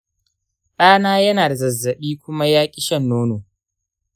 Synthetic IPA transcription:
ɗaː˦naː˦jɐ˦naː˨da˨zɐ˨zːɐ˨ɓiː˦kʷʊ˦ma˦jaː˦kʲʼɪ˦ʃɐ˦nːoː˦noː˨

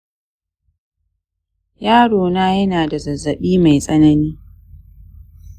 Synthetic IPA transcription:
jaː˦ɽoː˨naː˦jɐ˦naː˨da˨zɐ˨zːɐ˨ɓiː˦ma˨jsʼɐ˦nɐ˦niː˦

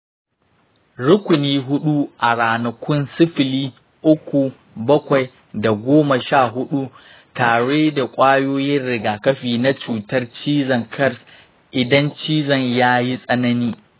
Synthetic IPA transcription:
ɽʊ˦kʷʊ˨niː˦ɦʊ˦ɗu˦ʔa˨ɽaː˨nɐ˨kʷʊ˦nsɪ˦ɸɪ˨liː˦ | ʔʊ˦kʷu˨ | bɐ˦kʷa˨j | da˨ɡʷoː˦mɐ˨ʃaː˦˨ɦʊ˦ɗu˦ | taː˨ɽeː˦da˨kʷʼaː˦joː˦jɪ˦nɽɪ˨ɡaː˨kɐ˦ɸiː˨na˦t͡ʃuː˨tɐ˦rt͡ʃiː˦zɐ˨ŋkʰɐ˦rs | ʔɪ˨dɐ˦nt͡ʃiː˦zɐ˨ɲjaː˦ji˦sʼɐ˦nɐ˦niː˦

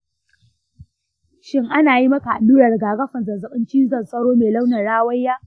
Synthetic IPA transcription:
ʃɪ˦ŋʔa˦naː˨ji˦mɐ˦ka˨ʔa˨luː˦ɾɐ˨rɡaː˨ɡɐ˦ɸɐ˨nzɐ˨nzɐ˨ɓɪ˦nt͡ʃiː˦zɐ˨nsʼɐ˦ɽoː˦meː˨la˦wnɐ˨rɽaː˦wɐ˦jːaː˦

